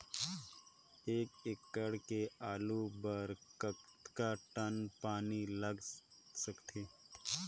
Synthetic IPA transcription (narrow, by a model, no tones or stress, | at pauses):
eːkɪkːəɽkeaːlubəɾkət̪kaʈənpaːniləɡsəkt̪ʰeː